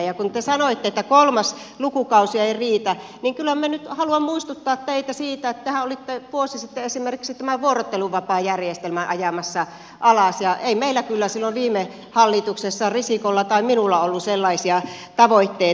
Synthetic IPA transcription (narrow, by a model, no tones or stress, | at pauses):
jɑkunt̪esɑnoit̪ːeet̪ːækolmɑs | lukukɑusiɑeiriːt̪æ | niŋkylhæmænyt̪hɑluɑmmuist̪ut̪ːɑːt̪t̪eit̪æsiːt̪æet̪ːehæolit̪ːeʋuosisit̪ːeesimerkiksit̪æmæʋuorot̪ːeluʋʋɑpɑːjærjest̪elmæʔɑjɑmɑsːɑ | ʔɑlɑsjɑʔeimeilːˑækylːæsilːoʋʋiːme | hɑlːit̪uksesːɑrisikolːɑt̪ɑiminulːɑolːuselːɑisiɑt̪ɑʋoit̪ːei